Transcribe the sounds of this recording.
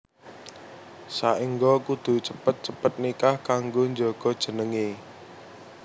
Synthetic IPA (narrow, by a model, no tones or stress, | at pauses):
saʔiŋɡɔkud̪̥ṳt͡ʃəpət̪̚t͡ʃəpət̪̚nikahkaŋɡoɲd͡ʒɔɡ̥ɔ̤d̥ʒ̥ə̤nəŋe